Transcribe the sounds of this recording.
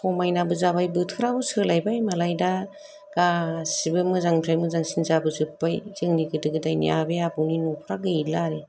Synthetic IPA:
pʰɔmajnabɯzabajbɯtʰɯɾabɯsɯlajbajmalajda | ɡ̥asibɯmɯzaŋpʰɾajmɯzaŋsinzabɯzɯpːajzɯŋniɡɯdɯɡɯdajnḭʔa̰beabɯwninɔpʰɾaɡɯilaɾe

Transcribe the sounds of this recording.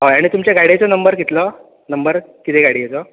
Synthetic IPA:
ɦaaɽ̃it̪umt͡ɕeɡaɽet͡sɔnəmbəɾɡit̪lɔ | nəmbəɾkit̪ʰeɡaɽijet͡sɔ

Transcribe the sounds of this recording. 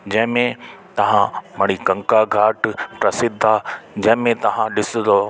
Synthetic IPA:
d͡ʑɐ̃ɦɪ̃mẽt̪ɐʋ̤ãmɐɽ̃ikɐ̃ŋkaɡʱaːʈpɾɐsɪd̪ʱaːd͡ʑɐ̃ɦɪ̃mẽt̪ɐʋ̤ãɗɪsʊ̃d̪o

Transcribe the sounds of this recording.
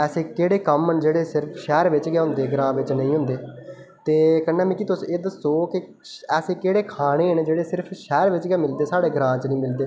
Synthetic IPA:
ɛːseːkeːɽeːkəmənd͡ʒeːɽeːsɪɾpʰʃɛːɾʋɪt͡ʃɡɛːɦʊ̃nd̪eːɡɾãːʋɪt͡ʃnəĩːɦʊ̃nd̪eːt̪eːkəɳːaːmɛ̃ːkiːt̪ʊseːd̪əsoːkɪ | ɛːseːkeːɽeːkʰaːɽ̃eːnd͡ʒeːɽeːsɪɾpʰʃɛːɾʋɪt͡ʃɡɛːmɪld̪eːsaːɽeːɡɾãːt͡ʃnĩːmɪld̪eː

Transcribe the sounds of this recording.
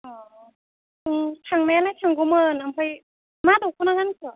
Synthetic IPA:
ʔɔː | ʔɯːt̪ʰaŋmɛːlat̪ʰaŋɡumɤːnamkʰɔj | maːduːk̚ʰːanaŋankʰɯ

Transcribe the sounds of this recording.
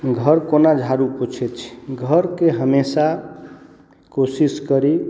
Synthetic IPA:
ɡʱəɾkonad͡ʒʱaɾupot͡ʃʰɛt͡ʃʰi̥ɡʱəɾkeɦəmesa | kosiskəɾi

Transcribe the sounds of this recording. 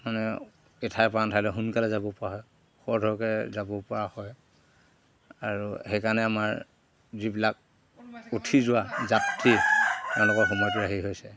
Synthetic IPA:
manɛ | ɛtʰajpantʰalɛɦunkalɛzabɔpɔɹaɦɔj | xɔɹdʱɔɹkɛzabɔpɔɹahɔj | aɹuhɛjkanɛamaɹ | zibilak̚ | otʰizʊwazaptʰitɛʊ̃lʊkɔɹxɔmɔjɔtiɹaɦiɦojsɛ

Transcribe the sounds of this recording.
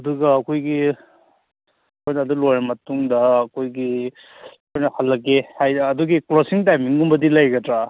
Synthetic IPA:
ɐduɡɐːkʰojɡi | ɐkʰojnɐːdulojɾɐmɐtuŋdɐːkʰojɡi | ɐkʰojnɐhɐlːɐɡehajːduɡiklosiŋtajmiŋumbɐdilajɡɐtɾa

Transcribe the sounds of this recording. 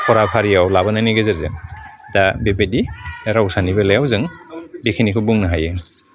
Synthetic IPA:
pʰɔɾapʰaɾijawlaβanajniɡezeɾzɯ̰ŋdabebediaɾausanibalajawzɯŋbekʰinikʰɯbuŋnaɦajɯ

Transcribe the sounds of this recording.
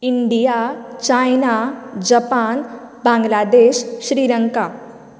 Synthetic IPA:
ɪɳɖijat͡ʃaːjnad͡ʒəpaːn | bãːŋɡlaːd̪eːʃʃɾiːɾəŋka

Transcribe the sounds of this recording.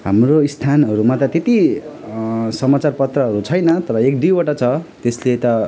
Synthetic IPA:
ɦamroist̪ʰanɦʌɾumat̪ʌt̪et̪i | sʌmat͡sarpʌt̪rʌɦʌɾut͡sʰʌjnʌt̪ʌɾʌek̚ɖibaʈʌt͡sʰʌt̪eslet̪ʌ

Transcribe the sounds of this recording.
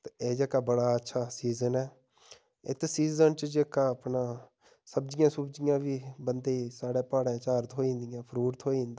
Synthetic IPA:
t̪eeːd͡ʒeːkaːbəɽaːətːʃʰaːsiːzənɛː | ɪ̰t̪siːzənt͡ʃəd͡ʒeːkaːəpnãː | səbd͡ʒɪjãːsʊbd͡ʒɪjãːʋiːbənd̪eːisaːɽɛːpaːɽɛ̃ːt͡ʃaːɾt̪ɦoːĩːnd̪ɪjãːpʰəɾuːɾt̪ʰɦoːĩːnd̪a

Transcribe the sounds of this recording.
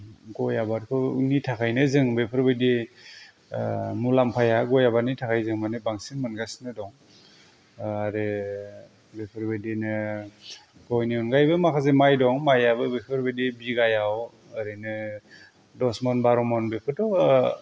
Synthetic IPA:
ɡɔjabaɾkʰɯnitʰakʰajnɯzɯŋbepʰɯɾbɯdi | mulampʰajaɡɔjabanitʰakʰajzɯŋmanɯbaŋsiŋmɯnɡasnɯdɔŋ | aɾe | bepʰɯɾbɯdinɯ | ɡɔjniɔnɡajbɯmakʰazemajdɔŋmajabɯbepʰɯɾbedibiɡajaw | ɯɾɯnɯ | dɔsmɔnbaɾɔmɔnbepʰɯɾtɔ

